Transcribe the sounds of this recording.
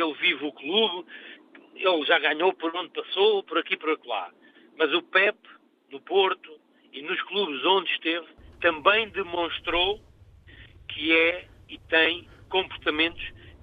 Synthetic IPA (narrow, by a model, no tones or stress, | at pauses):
elˠvivuklˠuβ | elˠʒaɣaɲopɔɾõnd̪̚pɐsopɔɾɐkipɔɾɐklˠa̰ | mɐzupɛp | nupoɾt̪u | inuʃklˠuβzõnd̪ʃt̪evt̪ɐ̃mbɐ̃j̃d̪ɨmõʃt̪ɾo | kʰɨɛit̪ɐ̃j̃kõmpuɾt̪ɐmẽnt̪u̥ʃ